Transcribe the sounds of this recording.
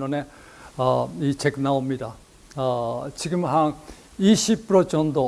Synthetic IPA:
one | it͡ɕʰeknaomid̪a | t͡ɕiɡɯmɦaŋ | iɕipːɾot͡ɕɔnd̪o

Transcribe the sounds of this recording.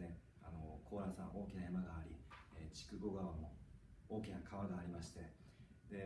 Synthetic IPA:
ne̞ | a̰nokʰo̞ːɾasãʔo̞ːkʲinajamaɡaːɾʲḭet͡ɕi̥kɯ̟ɡo̞ɡaβamo̞oːkʲinakʰaβaɡaːɾʲimaɕi̥t̪e̞ | d̪̥e̞

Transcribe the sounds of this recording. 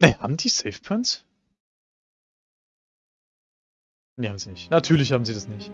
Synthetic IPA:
nɛha̰ːbm̩d̥iːsɛɪfpʰœns | neːhaːbm̩ziːnɪçtnatʰyːɐlɪçhaːbm̩ziːdasnɪçt

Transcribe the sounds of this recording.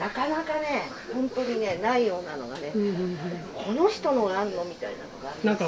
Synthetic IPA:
nakanakane̞ | hõ̞nt̪o̞ɲ̟ine̞naijo̞ːnano̞̰ɡane̞ | kʰo̞no̞çi̥t̪o̞no̞ɾãnːo̞mʲit̪aina̰no̞̰ɡanãŋka

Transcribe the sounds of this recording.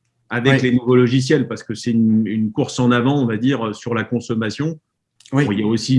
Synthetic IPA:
avɛklenuvolɔʒis̬jɛlpaʁsə̥kəsɛynynkuʁsɑ̃navɑ̃ɔ̃vad̪iʁøsyʁlakɔ̃sɔmasjɔ̃ | ɔ̃iljaosi

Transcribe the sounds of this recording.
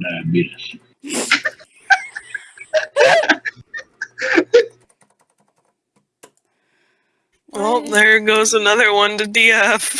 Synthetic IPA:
namiɾɪs | wɛlˠðə˞ɡoʊzənʌðə˞wʌ̃ntɨdiɛf

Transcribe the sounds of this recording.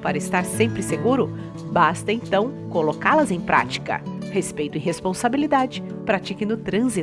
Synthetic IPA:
paɾɐɪst̪aɾsẽmpɾɪseɡuɾʊ | bast̪ɐẽnt̪ɐ̃w̃ | kolokalɐzẽj̃pɾʔa̰t͡ʃi̥kɐ̰ | hespejt̪ʊɪɦespõsabilid̪ad͡ʒɪ | pɾat͡ʃikɪnʊt̪ɾɐ̃zi

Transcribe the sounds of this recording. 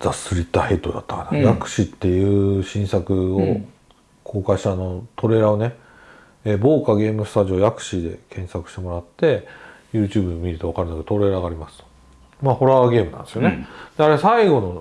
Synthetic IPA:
zasɨɾʲit̪ːahe̞t̪ːo̰d̪a̰t̪ːakanajakɯ̟̥ɕit̪ːe̞jɯ̟ːɕĩɰ̃sakɯ̟o | kʰo̞ːkaiɕi̥t̪ano̞t̪o̞ɾe̞ːɾao̞ne̞ | eːbo̞ːkaɡe̞ːmɯ̟sɨ̥t̪aʑio̞ːjakɯ̟̥ɕid̪e̞kʰẽ̞ɰ̃sakɯ̟ɕi̥t̪e̞mo̞ɾat̪ːe̞jɯ̟ːt͡ɕɨːbɯmʲiɾɯ̟t̪oakaɾɯnakeot̪o̞ɾe̞ːɾaːɡaːɾʲimasɨ̥t̪o̥ | maːho̞ɾaɡʲe̞ːmɯna̰nd̪sijoned̪̥e̞aɾe̞saiɡo̞no̞

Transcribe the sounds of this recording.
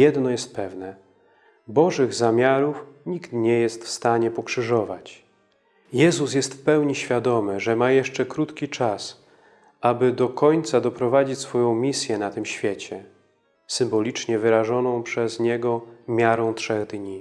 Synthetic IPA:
jɛd̪nɔjɛst̪̚pɛvnɛ | bɔʐɘɣzamʲjaɾufɲikt̪ɲɛjɛst̪fst̪aɲɛpɔkʂɘʐɔva̰t͡ɕ | jɛzus̬jɛst̪fpɛwɲiɕfʲjad̪ɔmɘʐɛmajɛʂt͡ʂɛkɾut̪kʲit͡ʂas | ʔabɘd̪ɔkɔɲt̪sad̪ɔpɾɔvad͡ʑit͡ɕsfɔjɔ̃w̃mʲisʲjɛnat̪ɘmɕfʲjɛt͡ɕɛ | sɘmbɔlʲit͡ʂɲɛvɘɾaʐɔnɔ̃w̃pʂɛzɲɛɡɔmʲjaɾɔ̃w̃tʂɛɣd̪ɲi

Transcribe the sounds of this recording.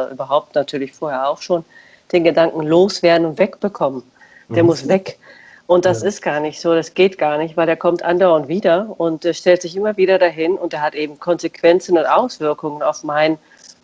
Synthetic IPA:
ʔyːbɐɦaʊp̚tnatʰyːɐlɪçfoːɐheːɐaʊxʃoːn | d̥eːnɡədaŋkŋ̩loːsv̥eːɐdn̩ʊntv̥ɛkb̥əkʰɔmən | d̥eːɐmʊsv̥ɛk | ʔʊnt̚d̥asɪstɡ̥aːɐnɪçtz̥oːɾasɡ̥eːtɡ̥aːɐnɪçtv̥aɪleːɐkʰɔmtʔandaʊntv̥iːdɐʊnteːɐʃtɛltz̥ɪçʔɪmɐviːɾɐdaɦɪnʊnteːɐɦatʔeːbm̩kʰɔnzekʰv̥ɛnt͡sn̩ʊntʔaʊsv̥ɪɐkʊŋəna̰ʊfmaɪn

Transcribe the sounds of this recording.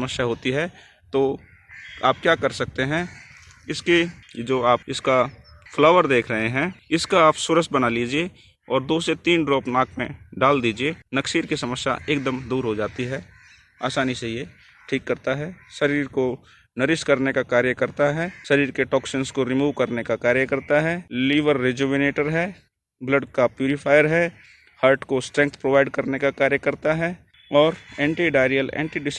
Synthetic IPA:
məʃjaɦoːt̪iɦɛ | t̪oː | aːp̚kjaːkɐɾsɐk̚t̪eɦɛ̃ | ɪsked͡ʒoːaːp̚ɪska | fʰlɔːʋəɾd̪eːkʰɾɐɦeɦɛ̃ːɪskaaːpsʊɾəsbɐnaliːd͡ʒie | ɔːɾd̪oːset̪iːnɖɾɔːpnaːk̚ʰmẽɖaːld̪iːd͡ʒienɐksiɾkisɐməsja̰ʔeːk̚d̪əmd̪uːɾɦod͡ʒaːt̪iɦɛː | aːsaːniseɦije | ʈʰiːkːɐɾt̪aɦɛʃɐɾiːɾko | nəɾɪskɐɾnekakaːɾjəkəɾt̪aɦɛːʃɐɾiːɾkeʈɔːksɪnskoɾɪmuːʋkɐɾnekakaːɾjəkɐɾt̪aɦɛːliːʋəɾːed͡ʒoːʋɪneːʈəɾɦɛː | bləɖkapjuːɾɪfʰaːjəɾɦɛː | həɾʈkosʈɾɛ̃ːŋk̚t̪ʰpɾoːʋaːɪɖkɐɾnekakaːɾjəkɐɾt̪aɦɛː | ɔːɾɛ̃ːɳʈiɖaːɪɾijəlɛ̰̃ːɳʈiɖɪs

